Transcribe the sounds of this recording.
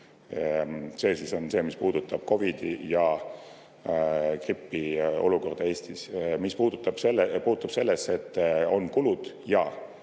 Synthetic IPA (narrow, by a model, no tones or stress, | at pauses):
se̞ːsiso̞nse̞ːmispuːd̪̥ut̪ːˑɑb̥ko̞vid̪̥ijɑ | kripːio̞̰luko̞rd̪̥ɑe̞ːst̪ismispuːd̪̥ut̪ːˑɑb̥selːpuːt̪ːˑub̥se̞lːese̞t̪ːo̞nkulud̪̥ | jɑ